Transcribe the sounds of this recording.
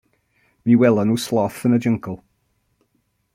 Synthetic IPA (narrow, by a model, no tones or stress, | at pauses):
miwɛlˠənuslˠɔθənəd͡ʒəŋkʰəlˠ